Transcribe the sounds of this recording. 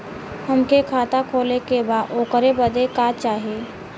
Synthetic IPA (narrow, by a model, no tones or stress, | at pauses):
həmkekʰaːt̪akʰoːlekebaːoːkəɾebəd̪ekaːt͡ʃaːɦieː